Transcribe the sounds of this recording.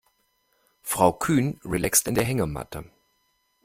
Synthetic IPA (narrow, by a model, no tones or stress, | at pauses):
fʁ̥aʊkʰyːnʁilɛkstɪndeːɐɦɛŋɐma̰tʰə